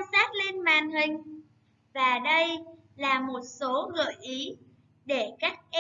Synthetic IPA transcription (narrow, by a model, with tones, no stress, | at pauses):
zaː˦˥t̚le˧nmaː˨nɦï˨˩ŋ̟ | vaː˨˩ɗə˧j | laː˨˩mo˨˩t̚so˨˦ɣɨ̰˧˨jʔi˨˦ | ɗe˧˩ka˦˥jk̚ʔ